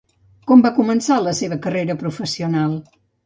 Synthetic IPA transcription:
kɔmbakumənsaləseβəkəreɾəpɾufəsiunalˠ

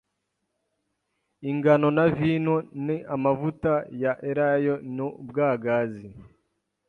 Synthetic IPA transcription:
iŋɡano̞naviːnoniʔamavutajaʔeɾajonubɡaːɡazi

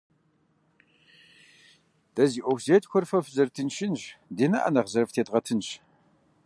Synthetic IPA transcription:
d̥ɐziːʔʷɔwzeːtʼxʷɔrfɐfzɐrtʰɨnʃɪnʒdeːnɐʔɐ̰nɐʁzɐrftʰeːtʼʁɐtʰɨnɕ

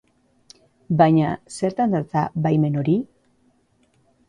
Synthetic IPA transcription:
baɲase̞ɾt̪and̪at͡saβajme̞no̞ɾi

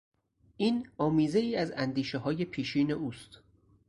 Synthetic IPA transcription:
ʔiːnɒːmiːze̞iːæzænd̪iːʃeɦɒːje̞pʰiːʃiːne̞uːst̪

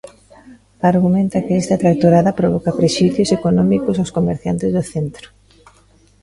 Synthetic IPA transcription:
aɾɣumẽnt̪ɐkɪɛst̪ɐt̪ɾak̚t̪oɾaðɐpɾoβɔkɐpɾeʃiθjosekonɔmikʊsawskomeɾθja̰nt̪ɪzðoθent̪ɾʊ̥

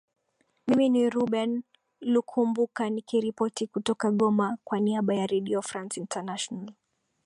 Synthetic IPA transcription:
miminiɾuɓɛn | lukʰumbukanikiɾipɔtikutɔkaɠɔmakwaniaɓajaɾɛɗiɔfɾansintanaʃɔnal

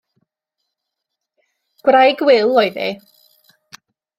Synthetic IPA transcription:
ɡ̥wrajɡwɪlˠɔjðḭ

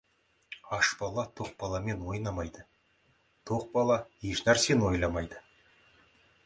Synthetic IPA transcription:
ɑʃbɑlˠɑt̪ʰoq̚bɑlˠɑme̞nwo̞jnɑmɑjd̪ə | t̪ʰoq̚bɑlˠɑeʃnæɾse̞nwo̞jlˠɑmɑjd̪ə

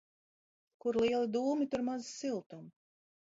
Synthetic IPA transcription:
kuɾlˠiɛlˠid̪uːmit̪uɾmazsilˠt̪um

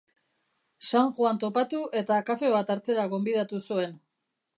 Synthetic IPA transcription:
saŋʝwant̪o̞pat̪uʔe̞t̪akafe̞βat̪aɾt͡se̞ɾaɣo̞mbiðat̪usue̞n

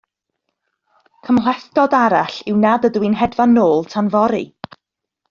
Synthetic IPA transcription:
kʰəmlɛθdɔdaɾaɬɪwnadədwinɦɛdvanːoːlˠtʰanvɔɾḭ

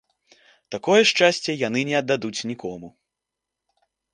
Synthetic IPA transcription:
t̪akɔjɛʂt͡ʂasʲt͡sʲɛjan̪ɨnʲɛɐd̪ːad̪ut͡sʲnʲikɔmu

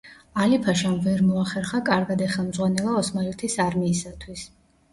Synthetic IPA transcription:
alipʰaʃamvɛɾmɔaχɛɾχakʼaɾɡad̪ɛχɛlˠmd̪zʁwanɛlˠaɔsmailt̪ʰisaɾmiːsat̪ʰwis

